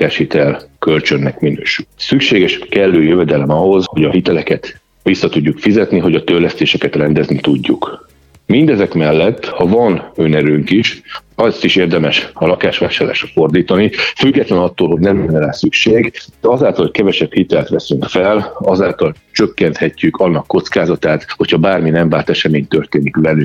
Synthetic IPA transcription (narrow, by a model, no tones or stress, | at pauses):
aːʃhit̪ɛlkø̞lt͡ʃø̞nːɛkminø̰ːʃylsykʃeːɡɛʃkɛlːøːjøvɛd̪ɛlɛmɒɦo̞zho̞ɟɒɦit̪ɛlɛkɛt̪ | ʋisːɒt̪uɟːukfizɛt̪niɦo̞ɟɒt̪ølɛst̪eːʃɛkɛt̪rɛnd̪ɛznit̪uɟːuk | mind̪ɛzɛkmɛlːɛt̪ːhɒvɒnønɛɾøːŋkiʃɒst̪iʃeːrd̪ɛmɛʃɒlɒkaːʃʋaːʃaːɾla̰ːʃrɒfo̞rd̪iːt̪ɒnifyɡːɛt̪lɛnɒt̪ːoːlɦo̞ɟnɛmɛnːɛlɛsykʃeːɡd̪̥ɛɒzaːlt̪ɒlhoc̚kɛvɛʃɛphit̪ɛlt̪ʋɛsyŋkfɛlɒzaːlt̪ɒl | t͡ʃø̞kːɛnt̪hɛcːykɒnːɒkːo̞t̪skaːzɒt̪aːt̪ho̞cʰhɒbaːrminɛɱvaːrt̪ɛʃɛmeːɲt̪ørt̪eːnikbɛlyk